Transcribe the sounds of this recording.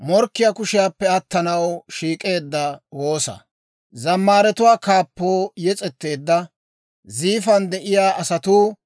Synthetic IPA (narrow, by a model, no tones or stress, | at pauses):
mɔɾkːɪjaːkʊʃɪjaːpːɛɐt̪ːɐnɐwʃiːkʼe̞ːd̪ːɐwo̞ːsɐ̰ | zɐmːaːɾɛt̪ʊwaːkaːpːo̞ːjɛt͡sʼɛt̪ːe̞ːd̪ːɐ | ziːfɐnd̪ɛʔɪjaːʔɐsɐt̪uː